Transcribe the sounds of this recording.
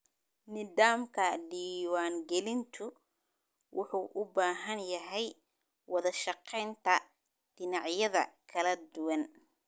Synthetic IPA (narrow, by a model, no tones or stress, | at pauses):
nɪðaːmkʰɐɖiːwaːŋɡɛlɪnt̪ʰʊ | wʔʊħuːʔʊbaːɦɐnjɐɦɛj | wɑðɐʃɑqɛjnt̪ʰɐ | d̪̥ɪnɑʕjɐðɐ̰kʰɐlɐd̪ʊwɑn